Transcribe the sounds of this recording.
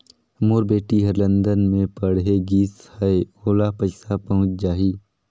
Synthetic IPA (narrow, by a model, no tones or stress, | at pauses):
moːɾbeːʈiɦɐɾlə̃nd̪ənmẽpɐɽɦeɡiːshɐeoːlapɐt͡ʃsapɐɦʊ̃t͡ʃd͡ʒaːɦiː